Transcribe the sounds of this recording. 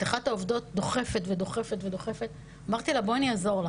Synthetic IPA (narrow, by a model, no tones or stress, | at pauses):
taχat̪haovdo̞t̚d̪o̞χe̞fetvedo̞χe̞fetve̞do̞χefe̞t | amaʁt̪ilaboaniazo̞ʁl